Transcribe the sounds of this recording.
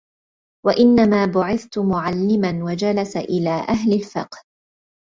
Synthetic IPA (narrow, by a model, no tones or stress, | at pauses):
waʔɪnːamaːbʊʕɪθt̪ʊmʊʕalːɪmanwad͡ʒalasʔɪlaːʔaɦlɪlfɪqh